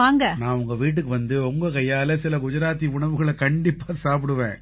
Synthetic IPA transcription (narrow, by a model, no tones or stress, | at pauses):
aːŋɡɐnãːʊŋɡɐʋiːʈ̬ːɯkːɯʋɐnd̪ɯɔŋɡɐkɐjːaːlɐsɪlɐkʊd͡ʒɐɾaːt̪̬ːiʊɳɐʋɯɣɐɭɛkɐɳɖɪpːaːsaːp̬ɪɽɯʋḛ̃ː